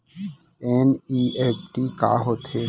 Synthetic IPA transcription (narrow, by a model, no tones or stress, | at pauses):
ɛːniːeːpʰʈiːka̰ːɦoːt̪e